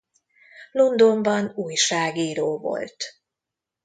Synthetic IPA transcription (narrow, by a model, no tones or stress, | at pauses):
lo̞nd̪o̞mbɒnuːjʃaːɡiːɾoːvo̞̰lt̪